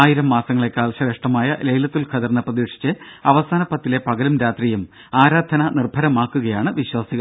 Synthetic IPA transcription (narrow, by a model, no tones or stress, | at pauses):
aːjiɾɐmːaːsɐŋːɐɭe̞kːaːlɕɐɾeʂʈɐmaːjɐlejlɐt̪ːilkʰɐðɐrnːɐprɐðiːʂi̥t͡ɕːɨɐʋɐsaːnɐpːɐt̪ːile̞pɐɣɐlumɾaːt̪rijum | aːɾaːd̪ʱɐnɐnirbʱɐɾɐmaːkːuɣɐjaːɳɨʋiɕwaːsiɣɐ